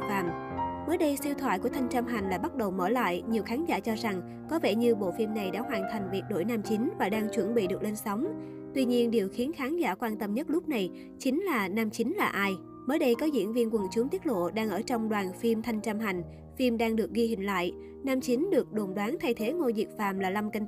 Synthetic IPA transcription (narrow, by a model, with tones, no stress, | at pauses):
fa̰ː˧˨mməː˨˦jɗə˧jsi˧wt̪ʰwa̰ː˧˨jku˧˩ət̪ʰa˧jŋ̟t͡ɕaː˧mɦa˨˩ŋ̟laː˨˩ɓa˦˥t̚ɗə˨˩wməː˧˩la̰ː˧˨jɲi˨˩əwxaː˨˦nzaː˧˩t͡ɕɔ˧za˨˩ŋ | kɔ˨˦vɛ˧˩ɲɨ˧ɓo̰˧˨fi˧mna˨˩jɗa̰ː˧˥hwaː˨˩nt̪ʰa˨˩jŋ̟vi˨˩t̚ɗo̰˧˩jnaː˧mt͡ɕi˨˦ŋvaː˨˩ɗaː˧ŋt͡ɕwə˧˩nɓḭ˧˨ɗɨ˨˩ək̚le˧nsə˨˦wŋ͡m | t̪wi˧ɲi˧ənɗi˨˩əwxi˨˦ənxaː˨˦nza̰ː˧˩kwaː˧nt̪ə˧mɲə˦˥t̚lʊ˦˥k͡p̚na˨˩j | t͡ɕï˨˦ŋ̟laː˨˩naː˧mt͡ɕi˨˦ŋ̟laː˨˩ʔaː˧j | məː˨˦jɗə˧jkɔ˨˦zḭ˧˥ənvḭ˧ənkwə˨˩nt͡ɕu˨˦t̪i˦˥ət̚lo̰˧˨ɗaː˧ŋʔəː˧˩t͡ɕɔ˧wŋ͡mɗwaː˨˩nfi˧mt̪ʰa˧jŋ̟t͡ɕaː˧mɦa˨˩jŋ̟ | fi˧mɗaː˧ŋɗɨ˨˩ək̚ɣi˧hï˨˩ŋ̟la̰ː˧˨j | naː˧mt͡ɕi˨˦nɗɨ˨˩ək̚ɗo˨˩nɗwaː˨˦nt̪ʰa˧jt̪ʰe˨˦ŋo˧zḭ˨˩k̚fa̰ː˨˩mlaː˨˩la˧mkə˧ŋ